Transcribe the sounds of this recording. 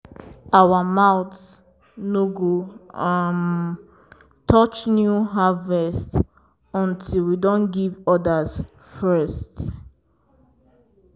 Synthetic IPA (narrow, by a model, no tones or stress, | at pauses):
awamawts | noɡoam | tʰɔt͡ʃnjuɦavɛst | ɔ̃ntʰilwidõnɡivɔdaz̥ | fɜst